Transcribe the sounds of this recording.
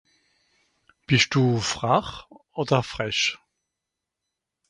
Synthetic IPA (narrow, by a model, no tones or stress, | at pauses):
b̥ɪʃt̚d̥uːfʁ̥aχ | oːdɐfʁ̥ɛʃ